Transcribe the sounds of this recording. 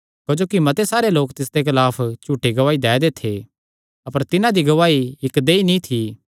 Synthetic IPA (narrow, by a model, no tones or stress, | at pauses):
kod͡ʒoːkimɐt̪esaːɾeloːkt̪ɪs̬d̪ekɪlaːpʰt͡ʃuːʈeɡɐʋaːid̪ɛːd̪et̪ʰe | ɐpəɾt̪ɪnãd̪iɡɐʋaːiɪkd̪eːinĩt̪ʰi